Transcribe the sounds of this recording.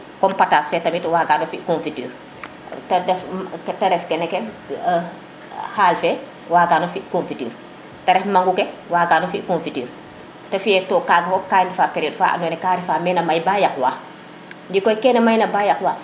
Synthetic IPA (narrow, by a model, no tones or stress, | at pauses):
kɔmpataːsfɛtɐmitwaːɡaːnɔfiʔkonfityːɾ | tdɛfkɛtɐɾɛfkɛnɛkɛ | haːlfɛ | waːɡaːnofiʔkonfityːɾ | tɐɾɛhmaŋɡukɛwaːɡaːnofiʔkonfityːɾ | tɐfijɛtɔːkaːɡɐfɔkaːjndifaːpɛɾiɔːdfa̰ːʔa̰nɔnɛkaːɾifaːmɛnɐmajbajakwaː | ndikɔjkɛːnɐmajnɐbaːjakwaː